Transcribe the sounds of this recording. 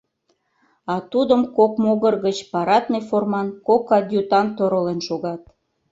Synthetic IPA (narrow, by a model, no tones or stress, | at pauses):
ɑt̪ud̪əmkokmoɣərɣət͡ɕpɑɾɑt̪neformɑnkokɑd̪ʲjut̪ɑnt̪oɾolenʃoɣɑt̪